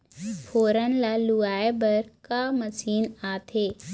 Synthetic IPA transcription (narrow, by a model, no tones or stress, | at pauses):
pʰoːɾənlaluaːebəɾkaməsiːnaːt̪ʰeː